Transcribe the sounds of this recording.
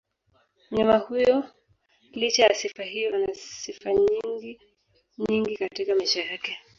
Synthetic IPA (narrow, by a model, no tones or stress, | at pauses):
ɲamahujɔ | lit͡ʃajasifaɦijɔnasifaɲiŋɡi | ɲiŋɡikatikamaiʃajakɛ